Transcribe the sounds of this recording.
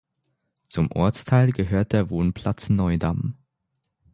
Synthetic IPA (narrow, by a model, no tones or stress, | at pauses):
t͡sʊmʔɔ̰ɐt͡stʰaɪlɡəɦøːɐt̚d̥eːɐvoːnpʰl̥at͡snɔʏdam